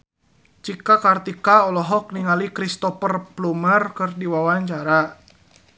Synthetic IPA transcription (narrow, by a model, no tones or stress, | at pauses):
t͡ʃikakart̪ikaɔlɔɦɔk̚niŋalikɾist̪ɔfərplumərkɨrdiwawaɲt͡ʃaɾa